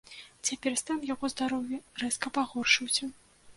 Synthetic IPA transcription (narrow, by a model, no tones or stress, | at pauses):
t͡sʲapʲɛrst̪amjakɔzd̪aɾɔwʲjɐrɛskɐpaɣɔrʂɨwsʲɐ